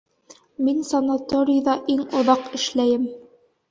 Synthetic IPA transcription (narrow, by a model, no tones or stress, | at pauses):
minsɐnat̪oɾʲɪjðɑʔiŋŏðɑqɘ̆ʃlæjɘm